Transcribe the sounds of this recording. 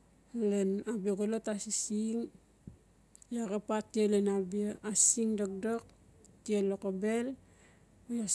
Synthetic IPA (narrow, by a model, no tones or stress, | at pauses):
lenabioɡolotasisiŋ | jakapatːielenabiaasiŋdok̚dok̚ | tielokobel | ja